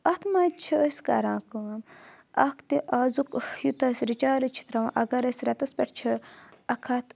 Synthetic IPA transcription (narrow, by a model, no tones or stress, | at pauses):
ɐt̪mɐt͡ʃʰiəskɐ̰ɾãːkɨm | ɐkt̪iʔaːzukjut̪ɐsɾit͡ʃaːɾit͡ʃʰi̥t̪ɾɐwʔɐɡɐɾɐsɾɐt̪ɐspʲɛʈt͡ʃʰiɐkʰɐt̪